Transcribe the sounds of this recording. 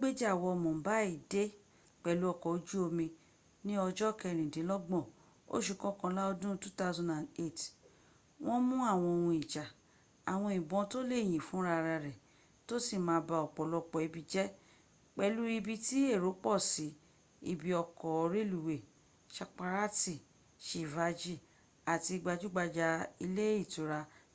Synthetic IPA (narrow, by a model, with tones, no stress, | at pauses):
ɡ͡be˦d͡ʒa˨wɔ˧mɔ̃˨˦ba˦i˦˨de˦ | k͡pɛ˨lu˨˦ɔ˧kɔ˨o˧d͡ʒu˦o˧mĩ˧ | nĩ˦ɔ˧d͡ʒɔ˦˨kɛ˧˨ɾ̃ĩ˨dĩ˨˦lɔ˦ɡ͡bɔ̃˦˨ | o̰˦ʃu˦˧˨kɔ̃˦kɔ̃˧la˦ɔ˧dũ˦tu˦ta˦zɔ̃˦nda˨ne˦˨t | w̃ʔɔ̃˦mũ˦a˦˨w̃ɔ̃˧o˧wũ˧i˨ʃa˨ | a˨w̃ɔ̃˧i˨bɔ̃˧to˦le˦˨j̃ĩ˨fũ˨˦ɾa˧ɾa˧ɾɛ˨ | to˦si˦˨mã˧˦ba˧ɔ˨k͡pɔ˨lɔ˧k͡pɔ˨i˧bi˧d͡ʒɛ˦ | k͡pɛ˧lu˦i˧bi˧ti˦e˦˨ɾo˨˦k͡pɔ˦˨si˨˦ | ḭ˨bi˧ɔ˧kɔ˨ɔ˨˧ɾe˦˨lu˨we˨ | ʃa˧k͡pa˧ɾa˦ti˦˨ | ʃi˨va˨˧d͡ʒi˦˨ | a˨ti˧ɡ͡ba˧d͡ʒu˦ɡ͡ba˧d͡ʒa˧i˧le˦i˦˨tu˨˦ɾa˧